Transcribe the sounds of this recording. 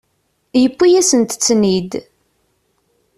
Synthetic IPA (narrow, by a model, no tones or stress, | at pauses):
jəpːijæsənt̪t͡sːnid̪